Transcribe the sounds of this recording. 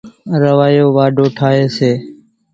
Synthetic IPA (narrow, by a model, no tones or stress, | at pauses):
ɾəʋaːjoːʋaːɖʱoːʈʰaːeːseː